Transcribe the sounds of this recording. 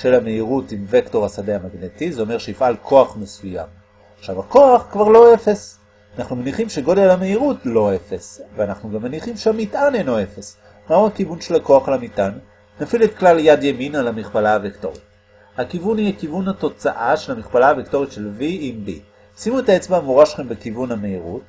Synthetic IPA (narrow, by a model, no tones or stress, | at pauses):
ʃe̞lameiʁutimvekto̞ʁhasadehamaɡnetizeo̞me̞ʁʃeifʔalkʰo̞aχme̞suja̰m | aχʃavako̞aχkvaʁlo̞e̞fe̞s | anaχnumaniχimʃe̞ɡo̞delhame̞iʁutlo̞efe̞sveanaχnuɡamːaniχimʃeamitʔanejnoe̞fe̞s | mauakivunʃelako̞aχalamitʔanː | afilet̚klaljadjeminalamiχpalaavikto̞̰ʁit | hakivunhijɛkivunhato̞t͡saʔaʃelhamiχpalaavikto̞ʁitʃelviːmbi | simuetaet͡smamuʁaʃχembekivunameiʁut̚